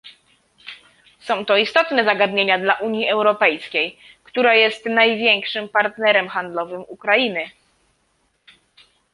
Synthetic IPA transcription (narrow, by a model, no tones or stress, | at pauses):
sɔ̃w̃t̪ɔist̪ɔt̪nɛzaɡad̪ɲeɲad̪laʔuɲjiʔɛwɾɔpɛjskʲej | kt̪uɾajɛst̪najvʲjɛŋkʂɘmpaɾt̪nɛɾɛmxand̪lɔvɘmukɾainɘ